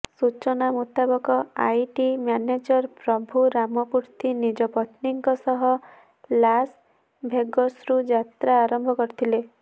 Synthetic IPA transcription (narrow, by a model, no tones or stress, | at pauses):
sut͡ʃɔnamut̪abɔkɔajʈimjaned͡ʒɔɾpɾɔbʱuɾamɔpuɾt̪inid͡ʒɔpɔt̪niŋkɔsɔɦɔ | las | bʱeɡɔsɾud͡ʒat̪ɾaːɾɔmbʱɔkɔɾit̪ʰile